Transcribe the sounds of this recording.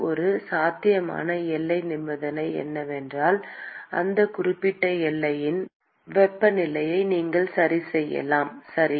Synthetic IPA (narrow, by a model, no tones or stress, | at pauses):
ɔɾɯsaːt̪ɪjɐma̰ːnɐɛlːɐɪnɪmbɐðɐnɐɪɛ̰nːɐʋɛndraːlʔɐ̰nd̪ɐkʊrɪpːɪʈːɐɛlːɐjɪn | ʋɛpːɐnɪlɐjɐɪniːŋɡɐɭsɐɾisɛjːɐ̰laːmsɐɾi